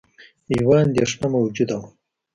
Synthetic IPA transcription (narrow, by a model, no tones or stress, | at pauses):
iwɑːnd̪eʂnamawd͡ʒud̪aw